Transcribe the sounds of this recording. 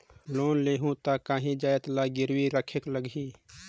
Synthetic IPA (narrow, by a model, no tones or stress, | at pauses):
loːnleːɦũt̪akaːɦĩd͡ʒaːjət̪laɡɪɾwiɾəkʰekləɡi